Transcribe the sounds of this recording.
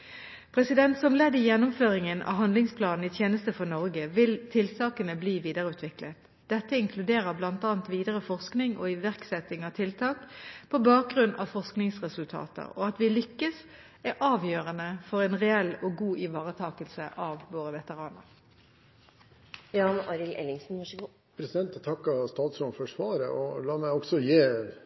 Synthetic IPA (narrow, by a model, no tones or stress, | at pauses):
pʰʁɛsɪd̪ɛnt̪sɔmlɛd̪ɪjɛnːʊmføːʁɪŋənɑ̰ɦɑnd̪lɪŋspʰlɑːnn̩ɪt̪ʰjeːnəst̪əfɔʁnɔʁɡəʋɪlt̪ʰɪlsɑːkənəbliːʋiːd̪əʁəʉːt̪ʋɪklət̪ | d̪̥ɛt̪ːəɪŋkʰlʉd̪eːʁəblɑnt̪ɑːnt̪ʋiːd̪əʁəfɔʁsknɪŋʔɔ̰ɪʋæʁksɛt̪ːɪŋɑt̪ʰɪlt̪ʰɑːkpʰɔbɑːk̚ɡʁʉnːʔɑ̰fɔʁsknɪŋsʁɛsʉlt̪ʰɑ̰ːt̪ə̰ʁɔɑt̪ʋɪlʏkːəs | æɾʔɑːʋjøːʁənəfɔʁɛnʁɛɛlːɔɡuːʔɪʋɑːʁət̪ʰɑːkəlsəʔɑʋʋoːʁəʋɛt̪əʁɑːnə̰ʁ | jɑːnɑɾɪlʔɛ̰lɪŋsn̩ɡ | pʰɾɛsɪd̪ɛnt̪t̪ʰɑkːɑst̪ɑːt̪sɾɔnfɔʂʋɑːɾə̰ʔɔlɑːmæɪɔɡsɔjeː